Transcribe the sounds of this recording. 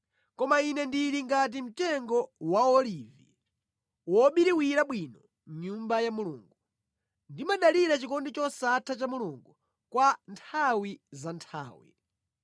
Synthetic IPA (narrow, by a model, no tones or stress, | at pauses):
kɔmainɛndiɾiŋɡat̬im̩tɛŋɡɔwaɔliːvi | wɔɓiɾiwiɾaɓwinɔ | ɲumbajamuluːŋɡu | ndimaɗaliɾat͡ʃikɔndit͡ʃɔsatʰat͡ʃamuluŋɡu | kwantʰawizantʰa̰ːwḭ